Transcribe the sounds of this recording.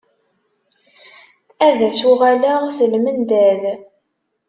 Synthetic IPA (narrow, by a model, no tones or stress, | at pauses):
æðæsuʁæləʁsəlmənd̪æð